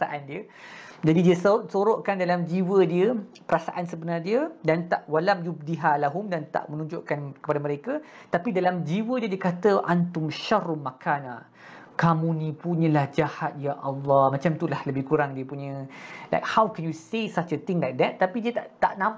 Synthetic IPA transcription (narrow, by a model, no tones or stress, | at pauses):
aʔandiə | d͡ʒadidiəsʔsoɾoʔkandalamd͡ʒiwədiəpəɾasaʔansəbənardiədant̪aʔwalamjub̚diɦalaɦʊmdant̪a̰ʔmə̃nũɲd͡ʒʊʔkankə̥padamə̃ɾeka | t̪apidalamd͡ʒiwədiədiəkat̪əʔant̪ʊmʃarmakʰana | kamũnĩpuɲə̃lahd͡ʒahat̪̚jaʔɑlːɑhmãt͡ʃamt̪ulahləbɪhkuɾaŋdiəpuɲə̃la̰jk̚hawkɛnjusesat͡ʃət̪ɪŋlajk̚d̪ɛt̪ːapidiət̪aʔt̪aʔnãm